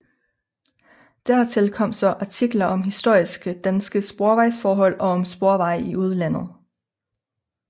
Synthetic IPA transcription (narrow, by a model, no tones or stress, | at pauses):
d̥æɐ̰t͡sʰe̝lkʰɒ̽m̰sɒ̽ʔɑ̈t͡sʰiɡ̥lɐʔɒ̽mɦisd̥o̝ɐ̰isɡ̥əd̥ænsɡ̥əsb̥o̝ɐʋɑ̈ɪsfɒːɦɒ̽l̰ɒ̽ɒ̽msb̥o̝ɐʋɑ̈ɪ̰iʔuð̞ˠlæn̰ð̞̩ˠ